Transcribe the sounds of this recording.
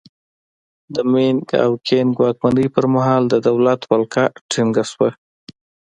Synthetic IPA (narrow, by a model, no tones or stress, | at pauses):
d̪əmeŋɡa̰wkʰenɡwɑk̚maɳɖəjpəɾmaɦɑld̪əd̪awlat̪walkʰaʈʰɪŋɡaswa